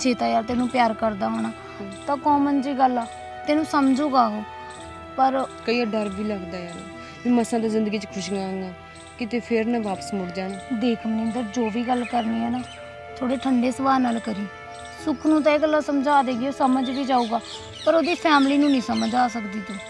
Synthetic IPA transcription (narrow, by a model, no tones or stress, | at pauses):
t͡ʃeːt̪aːjaːlt̪eːnũːpɪjaːɾkəɾd̪aːɦoːɽ̃aː | t̪ãːkɔ̃ːmənd͡ʒiːɡəlaː | t̪eːnũːsəmd͡ʒuːɡaːɦoː | pəɾkəiːaɖəɾbiːləkʰd̪aːjaːnː | iːməsãːd̪aːzɪ̃nd̪əɡiːt͡ʃəkʰʊʃɡãːŋɡaː | kɪt̪eːpʰɪɾnãːʋaːpə̥smʊɽd͡ʒaːnd̪eːkʰmənːənd̪əɾd͡ʒoːʋiːɡəlkəɾniːɛːnaː | t̪ʰoːɽeːʈʰəɳɖeːsəbaːnaːlkəɾiː | sʊkʰnũːt̪ãeːɡəlːaːsəmd͡ʒaːd̪eːɡɪoːsəməd͡ʒʋiːd͡ʒaːuːɡaː | pəɾoːd̪iːpʰɛːmliːnũːnĩːsəməd͡ʒaːs̬əkd̪iːt̪uː